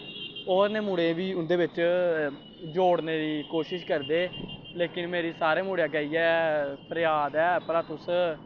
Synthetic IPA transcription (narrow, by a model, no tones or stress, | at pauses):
oːɾneːmuːɽẽːʋiːʊnd̪eːbɪt͡ʃ | d͡ʒoːɽneːd̪iːkoːʃɪʃkəɾd̪eː | leːkɪnmeːɾiːsaːɾeːmuːɽejaːɡəiːɛːpʰəɾjaːd̪ɛːpəɾaːt̪ʊs